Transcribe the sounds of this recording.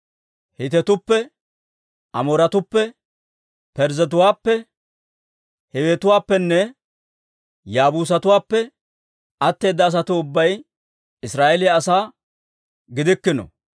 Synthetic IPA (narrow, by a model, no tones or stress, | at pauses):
hɪt̪ɛt̪ʊpːɛ | ʔɐmoːɾɐt̪ʊpːɛ | pɛɾzɛt̪̬ʊwaːpːɛ | hɛweːt̪ʊwaːpːɛnːɛ | jaːbuːs̬ɐt̪ʊwaːpːɛ | ɐt̪ːe̞ːd̪ːɐːs̬ɐt̪ʊʊbːɐj | ɪsɾaːʔelɪjaːsaː | ɡɪd̪ɪkːɪnɔ̰